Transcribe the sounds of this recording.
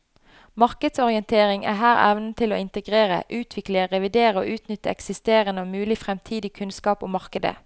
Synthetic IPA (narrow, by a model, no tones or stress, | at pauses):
mɑʁkəd̪sɔʁɪɛnt̪ʰeːʁɪŋæ̰ːɦæːʁɛ̰ʋnət̪ʰɪlo̰ːɪnt̪əɡʁeːʁə̰ʔʉːt̪ʰʋɪkləʁɛʋɪd̪eːʁəo̰ːʔʉːt̪nʏt̪ːəɛksɪst̪eːʁənəoːmʉːlɪfʁɛmt̪ʰiːd̪ɪkʰʉnskɑːpo̰ːmɑʁkəd̪ə̰